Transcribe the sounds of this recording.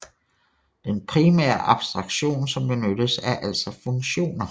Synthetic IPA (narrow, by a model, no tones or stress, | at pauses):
d̥enpʰʁimɛ̰ːɐʔɑ̈b̥sd̥ʁɑ̈ɡ̥ɕo̝̰ːnsɒ̽mb̥e̝nød̥əsæɐʔæl̰sɒ̽fɔ̽ŋɕo̝̰ːnɐ